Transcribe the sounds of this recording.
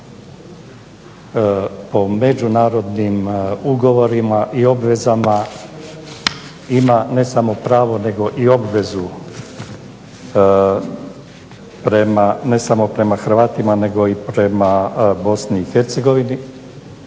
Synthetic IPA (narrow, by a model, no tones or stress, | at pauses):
po̞me̞d͡ʒunaːɾo̞d̪nimuɡo̞ʋo̞ɾimaʔio̞bʋe̞zama | imane̞samo̞pɾaːʋo̞ne̞ɡo̞ʔio̞bʋe̞zu | pɾe̞mane̞samo̞pɾe̞maxɾ̩ʋaːt̪imane̞ɡo̞ipɾe̞mabo̞sniːxe̞ɾt̪se̞ɡo̞ʋini